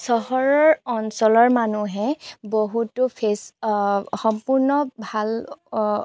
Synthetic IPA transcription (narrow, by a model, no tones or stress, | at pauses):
sɔɦɔɹɔɹɔnsɔlɔɹmanuɦɛboɦutʊpʰes | xɔmpuɹnɔbʱal